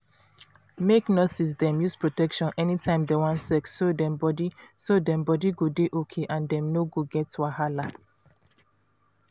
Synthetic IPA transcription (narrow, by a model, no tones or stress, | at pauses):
meknɔsis̬dɛ̃mjuspɹotɛkʃɔ̃nɛnitʰãɪ̃mdewɔ̃nsɛksodɛ̃mbɔdisodɛ̃mbɔdiɡodeʔokʰeʔãndɛ̃mnoɡoɡɛtwahala